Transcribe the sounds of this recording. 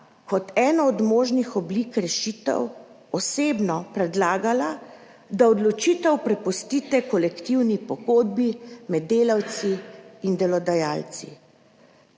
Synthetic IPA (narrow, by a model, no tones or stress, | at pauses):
kɔt̪ɛːnɔːd̪moːʒnixɔblikɾɛʃiːt̪ɛ̰w | ɔseːbnɔpɾɛd̪laːɡala | d̪aɔd̪lɔt͡ʃiːt̪ɛwpɾɛpɔst̪iːt̪ɛkɔlɛkt̪iwnipɔɡoːd̪̚bimɛd̪ːeːlawt̪siind̪ɛlɔd̪ajaːlt̪sḭ